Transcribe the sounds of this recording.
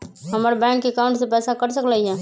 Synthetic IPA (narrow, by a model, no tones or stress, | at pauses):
ɦəməɾbɛ̃ŋkːeːkaʊ̃ɳʈsẽpɛːsakəɾsəkləiɦɛ̃